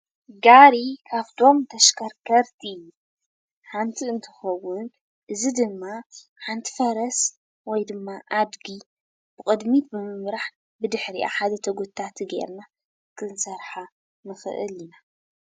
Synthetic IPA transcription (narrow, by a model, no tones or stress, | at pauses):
ɡaɾikʰaβt̪ʰo̞mt̪ʰɐʃkʰɐɾkʰɐɾt̪ʰijːu | ħant̪ʰiɨnt̪ʰɨ̥xɐwːʊn | ʔɨzid̪ɨmːaħant̪ʰi̥fɐɾɐs | wɔjd̪ɨmːaʔad̪ɡi | b̥ɨkʼɨd̪mit̪bɨmɨmɾaħ | bɨd̪ɨħɾiʔa̰ħazɐt̪ʰɐɡot̪ʰːat̪ʰɡe̞̰ɾna | kʰɨnsɐɾħa | nɨxɨ̰ʔɨ̰lina